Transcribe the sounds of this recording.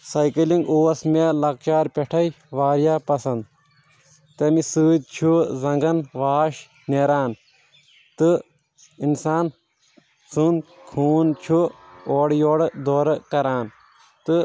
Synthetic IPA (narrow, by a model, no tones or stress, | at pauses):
sɐjkɐliŋɡuːɐsmelɐk̚t͡ʃaːɾpʲeʈʰɐj | ʋaːɾjaːpɐsɐnd̪ | t̪ɐmisɨːd̪̚t͡ʃʰuzɐŋɡɐnʋaːʃ | neɾaːn | t̪ɨ | insaːn | sund̪kʰuːnt͡ʃʰuoːɽjoːɽd̪oːɾɐkɐɾaːn | t̪ɨ